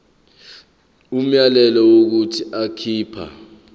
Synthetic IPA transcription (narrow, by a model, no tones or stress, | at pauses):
um̩jalɛlɔwok̬utʰiʔakʰiːpʰa̰